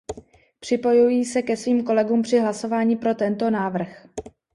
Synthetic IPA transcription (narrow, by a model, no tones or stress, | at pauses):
pr̝̥ɪpo̞jujiːsɛkɛsviːmko̞lɛɡuːmpr̝̥ɪɦlaso̞vaːɲiːpɾo̞t̪ɛnt̪o̞naːvr̩x